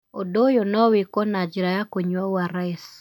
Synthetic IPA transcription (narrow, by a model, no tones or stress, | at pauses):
odojonɔwikɔnad͡ʒɾajakoɲwawaɾaes